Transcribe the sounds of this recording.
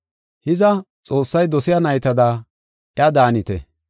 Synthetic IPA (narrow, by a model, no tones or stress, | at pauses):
hɪzɐ | t͡sʼo̞ːsːɐjd̪ɔsɪjɐnɐjt̪ɐd̪aː | ʔɪjɐd̪aːnɪt̪ɛ̰